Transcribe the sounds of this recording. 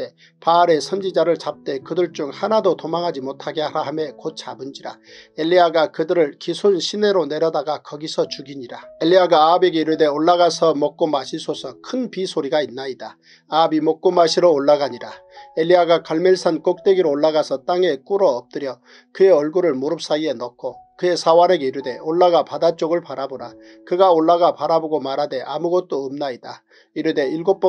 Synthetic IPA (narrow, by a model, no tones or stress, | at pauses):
e | paːɾe̞sʰʌnd͡ʑid͡ʑaɾɯɭt͡ɕap̚t͈e̞kɯdɯɭt͡ɕ͈uŋhanadotomaŋɦad͡ʑimotʰaɡe̞aɾaɦame̞kot̚t͡ɕ͈abɯnd͡ʑiɾaeʎːiaɡakɯdɯɾɯɭkisʰunɕʰine̞ɾone̞ɾjʌdaɡakʌɡisʰʌt͡ɕuɡiɲiɾaeʎːiaɡaːbe̞ɡe̞iɾɯde̞oɭːaɣasʰʌmok̚k͈omaɕʰisʰosʰʌkʰɯnpisʰoɾiɡainːaida | abimok̚k͈omaɕʰiɾoːɭːaɡaɲiɾaeʎːiaɡakʌɭmeɭsʰank͈ok̚t͈we̞ɡiɾoːɭːaɣasʰʌt͈aŋe̞k͈uɾʌːp̚t͈ɯɾjʌ | kɯe̞ʌɭɡuɾɯɭmoɾɯp̚s͈aie̞nʌkʰokɯe̞sʰawane̞ɡe̞iɾɯde̞oɭːaɡapadat͡ɕ͈oɡɯɭpaɾaboɾa | kɯɡaoɭːaɡapaɾaboɡomaɾɦade̞ʔamuɡʌt̚t͈oːmnaida | iɾɯde̞iɭɡop͈ʌ